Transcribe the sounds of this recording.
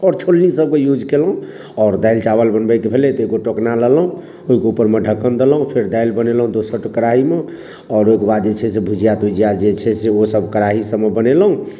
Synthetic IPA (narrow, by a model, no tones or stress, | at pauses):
ɔɾt͡ʃʰolnisəb̚kejud͡ʒʱkelɦũ | ɔːɾd̪ajlt͡ʃaβəlbənbəkebʱelet̪ɔoiɡoʈoknalələɦũ | oɦikeupəɾmeɖʱəkːənd̪eləɦũpʰeɾd̪ajlbənelɦũd̪osəʈkəɾaɦime | ɔːɾoikebad̪d͡ʒet͡ʃʰɛsebʱud͡ʒijat̪ud͡ʒijad͡ʒet͡ʃʰɛseosəbʱkəɾaɦisəmːebəneləɦũ